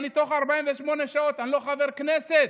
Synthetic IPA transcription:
nit̪o̞χaʁbaimveʃmo̞neʃao̞t̪anilo̞χave̞ʁkneset̪̚

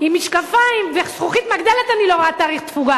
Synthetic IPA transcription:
imiʃkafaimvesχuχit̪maɡd̪elet̪anilo̞ʁoat̪aːʁiχt̪fuɡa

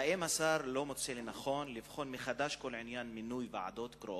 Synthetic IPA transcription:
aʔemasaɾlo̞mot͡selenaχo̞nlivχo̞nmeχad̪aʃko̞lʕinjanminujveʕa̰d̪o̞t̪kɾoʔ

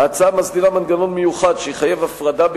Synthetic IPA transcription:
at͡samasd̪iʁamanɡano̞nmejuχadʃeiχajevafʁad̪ab

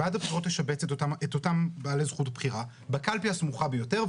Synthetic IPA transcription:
adabχiʁo̞teʃabet͡setaetotambeːlezχutbχiʁa | bakalpiasmuχabejo̞teʁ

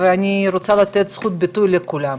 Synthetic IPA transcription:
veaniɾot͡salat̪et̪sχut̪̚bit̪ujlekulam

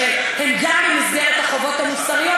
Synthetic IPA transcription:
e | hemɡamlemazɡeʁet̪aχo̞vo̞t̪hamusaʁijo

